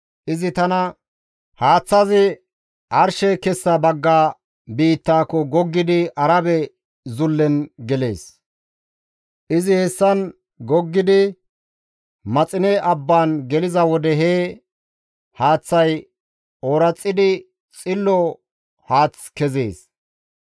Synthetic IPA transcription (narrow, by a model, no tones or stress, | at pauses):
ʔɪzɪt̪ɐnɐ | haːt͡sːɐzɪ | ʔɐɾʃɛkɛsːɐbɐɡːaː | biːt̪ːaːkːɔɡɔɡːɪd̪ɪʔɐɾɐbɛ | zʊlːɛnɡɛle̞̰ːs | ʔɪzɪhɛsːɐn | ɡɔɡːɪd̪ɪ | mɐt͡sʼɪnɛʔɐbːaːnɡɛlɪzɐwɔd̪ɛɦeː | haːt͡sːɐj | ɔɾɐt͡sʼːɪd̪ɪ | t͡sʼɪlːɔ | haːt͡skɛzḛːs